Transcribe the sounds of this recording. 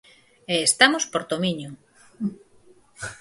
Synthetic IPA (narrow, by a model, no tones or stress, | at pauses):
eːst̪amospoɾt̪omiɲʊ